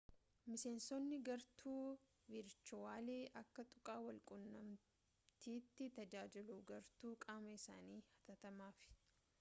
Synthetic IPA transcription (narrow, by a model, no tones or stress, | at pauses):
mɪse̞ːnsɔnːɪɡɐɾt̪ʰuː | vɪɾt͡ʃʊaːleːʔɐkːɐt̪ʼʊkʼaːwɐlkʼʊnːɐm | t̪ʰiːt̪ːɪt̪ɐd͡ʒaːd͡ʒɪluːɡɐɾt̪uːkʼaːmɐɪsaːniːhɐ̥t̪ɐt̪ɐmaːfɪ̥